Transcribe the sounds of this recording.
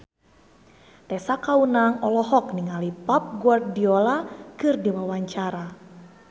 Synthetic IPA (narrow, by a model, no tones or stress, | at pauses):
t̪ɛsakaunaŋɔlɔɦɔk̚niŋalipap̚ɡuardiɔlakɨrdiwawaɲt͡ʃaɾa